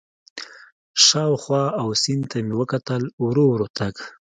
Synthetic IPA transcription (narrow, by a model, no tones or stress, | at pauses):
ʃɑwxwɑawsɪnd̪t̪ʰamewəkat̪əlwɾowɾot̪aɡ